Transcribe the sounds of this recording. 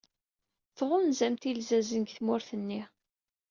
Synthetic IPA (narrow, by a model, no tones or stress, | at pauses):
θʁʊnzæmt̪ilzæzənɡθmʊɾθənːi